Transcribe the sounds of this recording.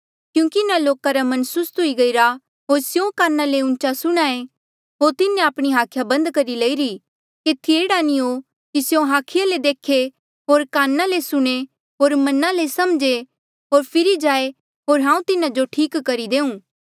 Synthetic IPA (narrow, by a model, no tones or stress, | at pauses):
kjũːkiɪnaloːkaɾamɐ̃nsʊst̪ʊiɡɐiɾa | ɦoːɾsjõkaːnːaleʊ̃nt͡ʃasʊɽ̃aːe | ɦoːɾt̪ɪnẽaːpɽ̃iɦaːkʰjabɐ̃nd̪kɐɾileiɾi | keːt̪ʰieːɽanĩo | kisjõɦaːkʰɪjaled̪eːkʰe | ɦoːɾkaːnːalesʊɽ̃e | ɦoːɾmɐnalesɐmd͡ʒe | ɦoːɾpʰɪɾid͡ʒaːe | ɦoːɾɦãːũt̪ɪnad͡ʒoʈʰiːkːɐɾid̪eːũː